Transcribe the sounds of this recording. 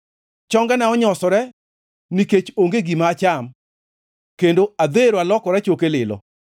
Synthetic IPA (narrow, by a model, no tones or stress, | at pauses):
t͡ʃɔŋɡɛnɛɔɲɔsɔɾɛ | niket͡ʃoŋɡeɡimaːt͡ʃam | kendoad̪eɾoalɔkɔɾɛt͡ʃokelɪlɔ̰